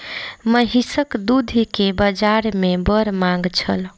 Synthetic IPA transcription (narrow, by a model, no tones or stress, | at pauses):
məɦisəkd̪ud̪ʱikebəd͡ʒaɾmebəɾmãŋɡt͡ʃʰəl